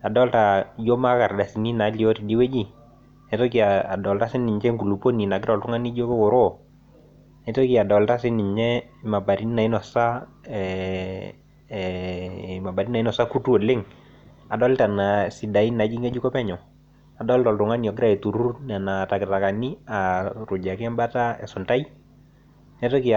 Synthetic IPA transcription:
a˨dɔ˦lta˨jo˦ma˦ka˨rda˨si˨ni˦na˨˦li˨ɔ˦ti˨di˦wɛ˦d͡ʒi˦ | nɛ˨˦to˦ki˨a˨dɔ˨lta˦sɪ˦nɪ˨ɲt͡ʃɛ˦ŋku˨lu˨po˦ni˨na˨ɡɪɾɔ˨ltʊ˦ŋa˦ni˦d͡ʒo˦wʊ˨ɾo˦ | ne˨˦to˦ki˦a˨dɔ˨lta˦sɪ˦nɪ˨ɲt͡ʃɛ˦ma˨ba˨ɾi˦ni˦na˨i˦nɔ˨sa˦ | ɛ | ma˨ba˨ɾi˦nna˨i˦nɔ˨sa˦ku˦tu˦ɔ˨lɪ˦ŋ | a˨dɔ˦lɪ˦ta˨na˨si˨da˨i˦na˨˦d͡ʒi˦ŋe˦d͡ʒu˦kɔ˦pɛ˦ɲɔ˨ | a˨dɔ˦lta˨ltʊ˨ŋa˦ni˨ɔ˨ɡ̬ɪ˦ɾa˨e˨tu˨ɾu˦na˨na˨ta˨kɪ˨ta˨ka˨ni˦a˨ɾʊ˨d͡ʒa˨kɪ˦ɛ˦mba˦ta˦ɛ̰˨sʊ˨nta˦i˦ | nɛ˦to˦ki˦˨

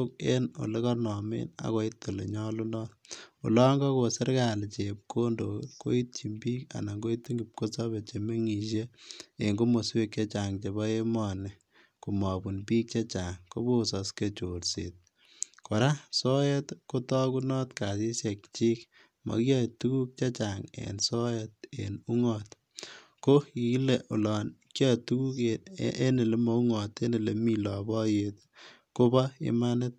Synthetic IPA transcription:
ok̚eno̰˨le˦kɔ˦nɔ˨mḛ˦na̰˨kɔ˦itːo˨le˨ɲɔ˦lu˦nɔ˦tṵ˨lɔ˦ŋɡɔ˦kosɪ˦ɾkalt͡ʃep̚ko˦ndo˨ko̰˦i˦t̚t͡ʃi˨mbiː˦ka̰˨na˨ŋɡo˦i˦tːi˦ŋɡi˨p̚ko˦sɔbe˨t͡ʃe˨me˦ŋi˨ʃ̬e˦e˨ŋɡo˦mo˨swe˦k̚t͡ʃe˦t͡ʃa˨ŋt͡ʃe˨bɔ˦e˦mɔ˨ne˨ | ku˨mɔ˨bu˨npiː˦k̚t͡ʃe˦t͡ʃa˨ŋko˦bo˦sɔ˨ske˨t͡ʃoɾsḛt̚ | kɔ˨ɾa˦so˦jɛ˦tko˦tɔ˦ku˦nɔ˦tka˨si˦sjekt͡ʃi˦k | mɔ̰˨kja˨tu˦ku˦k̚t͡ʃa˦t͡ʃa˨ŋḛ˨nso˦jɛt̚ḛnu˦ŋɔ˨t | ko˦ki˨˦le˨ʔu˨lɔ˨nkja˦tu˦ku˦ke˦ne˨le˦mo˨˦u˦ŋɔ˨t̪e˦ne˨le˨mi˦lɔ˨bɔ˦jet̪ | ko˦bɔɪ̰˦ma˦ne˦t̪̚

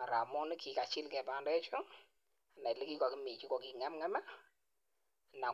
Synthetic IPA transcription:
a˨ɾa̰˨mɔ˦nɪ˦kʰi˨ka˨t͡ʃɪ˦lkɛ˨ba˨ndɛ˦t͡ʃo˦ | a˨na˨li˦ki˦kɔ˨ki˦mi˨t͡ʃi˦kɔ˨ki˨ŋɛ˦mŋɛ˦ma˦˨ | na˨

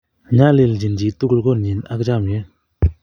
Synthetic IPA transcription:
ɲa˥˨le˩˨ld͡ʑi˩˨nd͡ʑi˩˨t̪u˥˨k̚lɡo˥˨nɲi˩˨na̰˥k̚d͡ʑa˥˨mjø˩˨n

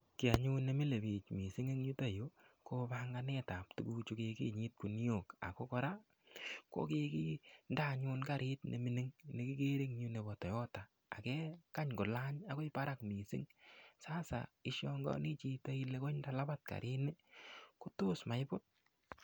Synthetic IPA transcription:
ki˨a˨ɲu˦ne˨mi˦le˨bi˨t͡ʃmi˨si˦ŋe˦ŋɲu˦ta˦jo˦kopaŋɡa˧ne˦ta˨p̚tu˨ku˦t͡ʃu˦ke˧kḭ˦ɲi˦t̚ku˨ni˦o˨ka̰˨ko˦kɔ˦ɾa˦ | ko̰˦ke˧ki˦nda˦ɲu˦nka˨ɾʔi˦tnʔḛ˨mi˦ne˦ŋne˨ki˦ke˦ɾe˦ŋɲu˧ne˨bɔ˨tɔ˨jɔ˦ta˨ | a̰˨kɛ˦ka˦ɲkʊ˨la˦ɲa˦ko˦i˦pa˦ɾa˦kmi˨sḭ˦ŋsa˦sa̰˨i˦ʃjɔ˦ŋɡɔ̰˦ni˦t͡ʃi˧ta˦i˦le˦ko˦nda˦la˦ba˦t̚ka̰˨ɾʔi˦ne˦ko˦to˦sma˨jpʊ˦t̚

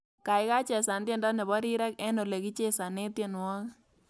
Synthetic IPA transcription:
ka˨ɪ˦ka˦t͡ʃɛ˨sa˨ndje˦ndɔ˦ne˨bɔ˦ɾi˦ɾɛ˦kɛ˦no˨le˨ki˦t͡ʃe˦sa˨ne˦tje˨nwɔ˦k

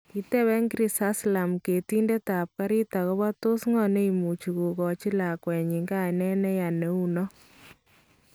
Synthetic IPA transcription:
i˦tɛ˦wɛ˦ŋkɾi˨sa˦sla˨mke˨ti˦nde˦ta˨p̚ka˦ɾi˦ta˨kɔ˦βa˦to˦sŋɔ˨ne˦i˨mu˨t͡ʃu˨ku˨kɔ˨t͡ʃi˦la˨kwɛ˨ɲi˨ŋɡa˦nɛ˦nɛ˦ja˨ne˨˦u˦nɔ˦

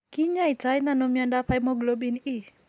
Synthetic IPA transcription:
ki˦ɲa˦i˨ta˦jna˦˨no˦mi˦a˦nda˦pʰa˦jmɔ˦ɡlo˦bi˦ni˦

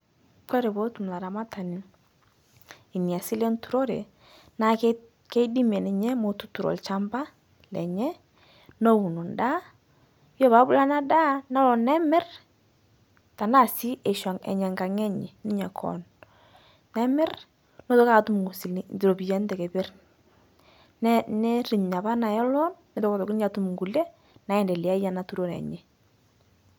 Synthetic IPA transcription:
kɔ˦ɾe˨bo˦tu˨m˨la˨ɾa˨ma˦ta˨nɪ˦ | ɪ˨ni˨a˨si˦lɛ˦n˦tu˨ɾo˦ɾḛ˨ | na˨k | ke˦di˦m˨ɛ˨nɛ˨ɲɛ˦mo˨tu˦tu˨ɾo̰˨lt͡ʃa˦mba˦ | lɛ̰˨ɲɛ˦ | no˦wu˨nu˨nda˦ | jɔ˦ba˨˦bʊ˦la˦na˦da˦na˦lɔ˨nɛ˦mɛ˦r | ta˨na˦˨si˦ʔe˨ʃa˨ŋɛ̰˨ɲɛ˨ŋɡa˨ŋɛ˦ɲɛ˨nɪ˦ɲa˨kʰɔ̰˨nː | ɛ˦mɪ˦r | no˦to˦ka˦˨˦tu˦m˨ŋu˨si˨lndɪ˨ɾo˨bi˨jɛ˨˦ndɛ˨ke˨bɪ˦r | n˦nɛ˦ɾi˨ɲɲa˨ba˦na˨jɔ˦lɔ˦nːɛ˨to˦ko˨tɔ˨kɪ˦n˦a˨tu˨m˨ŋɡu˨lɛ˦ | na˨ɛ˨ndɛ˨li˨a˦ja˨na˨tu˦ɾo˨ɾɛ̰˨ɲɛ˨

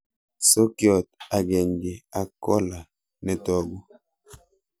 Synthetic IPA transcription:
so˦kjɔ˨t̚a˨ɡɛ˨ŋɡi˨a˨kɔ˦la˨ | nɛ˨tɔ˦˨ɡu˦

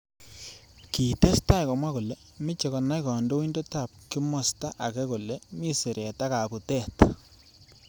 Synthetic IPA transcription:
ki˨te˦sta˦jkɔ˨mwa˦ko˨le˦ | mɪ˦t͡ʃe˨kɔ˨na˦jkɔ˨ndo˦i˦ndo˦ta˨p̚ki˦mɔ˨sta˦ʔa˨kɛ˦ko˨le˦mi˦se˨ɾe˨ta˦ka˨ku˨tɛ˦˨t

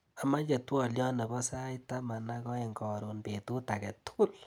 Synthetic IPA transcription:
a˨ma˦t͡ʃe˨twɔ˦˨ljɔ˦ne˨bɔ˦sa˦i˦ta˦ma˨na˧kɔ˦e˨ŋɡɔ˨ɾo˨npe˨tu˦ta˨kɛ˨tu̥˦u˦l

